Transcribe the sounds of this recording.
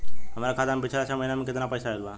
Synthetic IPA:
ɦəmaɾakʰaːd̪ampɪt͡ʃʰlat͡ʃʰaməɦinamẽkɪt̪napəjsaɦelba

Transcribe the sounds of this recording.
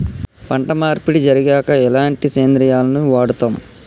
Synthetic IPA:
pɐɳʈɐmaːɾpiɽid͡ʒɐɾiɡɛːkɐɛlaːɳʈiseːnd̪ɾijaːlɐnuʋaːɽut̪aːm

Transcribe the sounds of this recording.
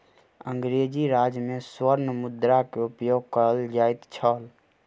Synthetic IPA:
ə̃ŋɡɾed͡ʒiɾaːd͡ʒmẽswəɾnəmʊd̪ɾakeʊpjoːɡ̚kəɾəld͡ʒaːɪt̪t͡ʃʰəːl

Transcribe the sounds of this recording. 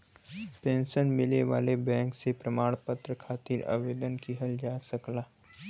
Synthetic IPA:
pẽːnʃənmɪleʋa̰ːlebɛ̃ːŋksepɾɐmaːɽ̃pət̪ɾəkʰaːt̪ɪɾa̰ʋeːd̪ənkiɦɐld͡ʒaːsɐklaː

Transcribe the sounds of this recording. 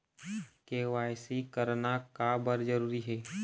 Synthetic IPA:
keʋaːjsikəɾnakabəɾd͡ʒəɾuːɾiɦɛː

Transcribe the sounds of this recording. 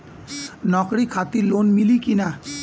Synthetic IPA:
nɔkɽikʰat̪iɾlonmilikina

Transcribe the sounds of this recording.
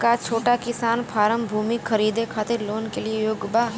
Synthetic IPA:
kat͡ʃʰoːʈakɪsaːnpʰaːɾəmbʱuːmikʰːəɾiːd̪ekʰaːt̪ɪɾloːnkeliejoːɡba

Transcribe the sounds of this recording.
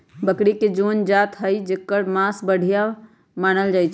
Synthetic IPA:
bəkɽiked͡ʒond͡ʒat̪ɦəjd͡ʒekːəɾmasbəɽ̤ʱija | manəld͡ʒajt͡ʃʰ

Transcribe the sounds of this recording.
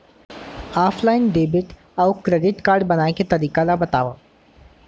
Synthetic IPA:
aːpʰlaːɪnɖeːbɪʈ | aʊkɾeːɖɪʈkaːɾɖbɐnaːeket̪ɐɾiːkalabɐt̪aːʋa

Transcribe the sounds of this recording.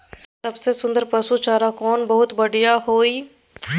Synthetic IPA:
sɐbsesʊ̃nd̪əɾpɐsut͡ʃaːɾakɔːnbɐɦʊt̪bɐɽijaɦoːiː

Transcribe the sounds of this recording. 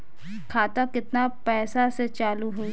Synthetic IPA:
kʰaːt̪ãkɪt̪napɛːsaset͡ʃaːluɦoi

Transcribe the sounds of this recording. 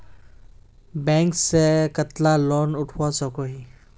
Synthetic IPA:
bɛ̃ːŋksekət̪lalɔːnʊʈʰwasɔkoɦi

